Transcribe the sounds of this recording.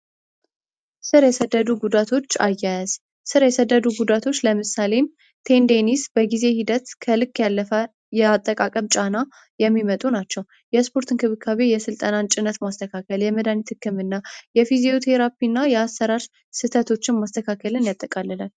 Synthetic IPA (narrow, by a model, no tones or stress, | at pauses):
sɨɾjɛsəd̪ːəd̪uɡud̪at̪ʰo̞t͡ʃːa̰jːajɛz̥ | sɨɾjɛsəd̪ːəd̪uɡud̪at̪ʰo̞t͡ʃːləmɨsale̞m | t̪ʰe̞nd̪enisbəɡize̞hid̪ət̪kʰəlɨkːjalːəfə | jɛat̪ʼːəkʼakʼəmt͡ʃʼana | jɛmːimət̪ʼunat͡ʃːɛw | jɛspʰo̞ɾt̪ʰɨnkʰɨβɨkʰːaβejɛsɨlt̪ʼənant͡ʃʼɪnət̪mast̪ʰəkʰakəljɛməd̪anit̪ʰɨkːɨmɨnːajɛfizio̞t̪ʰeɾapinːajɛasːəɾaɾʃ | sɨt̪ʰət̪ʰo̞t͡ʃːɪnmast̪ʰəkʰakːəlɨnjat̪ʼːəkʼalːəlal